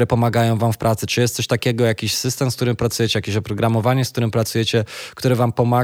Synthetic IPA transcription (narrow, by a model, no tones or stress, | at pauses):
ɾɛpɔmaɡajɔ̃w̃vamfpɾʔat̪sɘ̥t͡ʂɘjɛst̪sɔɕʲt̪akʲɛɡɔjakʲiɕsɘst̪ɛmskt̪uɾɘmpɾat̪sujɛt͡ɕɛjakʲiɕɔpɾɔɡɾamɔvaɲɛsk̚t̪uɾɘmpɾat̪sujɛt͡ɕɛkt̪uɾɘvampɔma